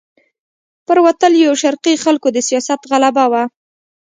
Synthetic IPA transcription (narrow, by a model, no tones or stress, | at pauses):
pəɾwat̪əljawʃaɾqixalkod̪əsijɑsat̪ɣalabawa